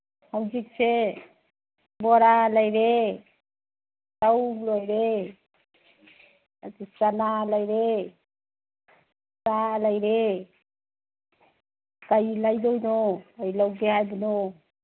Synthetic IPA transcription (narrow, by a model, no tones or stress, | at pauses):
hawd͡ʒik̚se | bɔɾalajɾe | tawlojɾe | at̪isanalajɾe | salajɾe | kajlajdojnoajlawɡeɦajbuno